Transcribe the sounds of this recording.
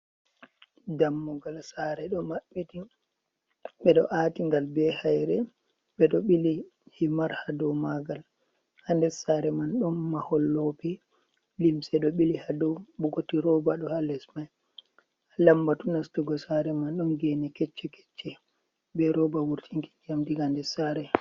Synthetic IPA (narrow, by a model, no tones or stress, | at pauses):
damːɔɡalsaɾɛɗɔmaɓːiti | ɓɛɗɔʔaːtiŋɡalbɛhajɾɛ | ɓɛɗɔɓilihimaɾhadɔwmaɡal | handɛsaɾɛmanɗɔnːahɔlːopɛ | limsɛɗɔɓilihadɔɓɔɡotiɾɔbaɗɔhalɛsmaj | alambatunastuɡɔsaɾɛmanɗɔnɡɛnɛkɛt͡ʃːɛkɛ̥t͡ʃːɛ | bɛɾɔbawuɾtʰiŋki̥d͡ʒamdiɡandɛsaɾɛ